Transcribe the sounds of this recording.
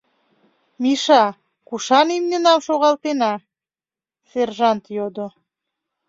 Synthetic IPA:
miʃɑ | kuʃɑnimnʲenɑmʃoɣɑlt̪enɑ | serʒɑnt̪jod̪o

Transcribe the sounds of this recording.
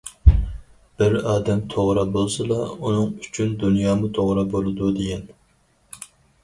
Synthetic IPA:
b̥ɪɾɑːd̪ɛmt̪ʰoʁɾɑbolˠsɨlˠɑunɨŋyt͡ʃʰynd̪unjɑːmut̪ʰoʁɾɑbolˠɨd̪ud̪ejɛn

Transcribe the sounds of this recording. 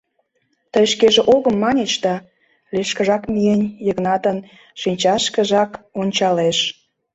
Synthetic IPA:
t̪əjʃkeʒeʔoɣəmːɑnʲet͡ɕd̪ɑ | leʃkə̆ʒɑkmienʲjəɣnɑt̪ən | ʃinʲt͡ɕɑʃkə̆ʒɑkonʲt͡ɕɑleʃ

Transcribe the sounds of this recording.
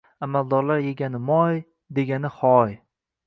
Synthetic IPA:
amald̪ɒɾlaɾje̞ɡʲanɪmɒj | d̪e̞ɡʲanɪχɒj

